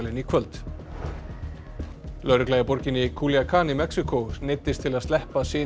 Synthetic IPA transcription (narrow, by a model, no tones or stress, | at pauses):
lɪnikʰvœlt̪ | lœɥɾɪklajapɔɾcɪnɪkʰuljakʰaːnimɛksikonet̪ːɪst̪ʰɪlaðst̪ɛhpasɪː